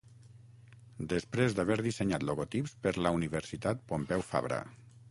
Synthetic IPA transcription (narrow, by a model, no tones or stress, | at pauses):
d̪əspɾezd̪aβɛɾðiseɲat̪loɣot̪ipspəɾləuniβəɾsit̪at̪̚pompɛwfa̰βɾə̰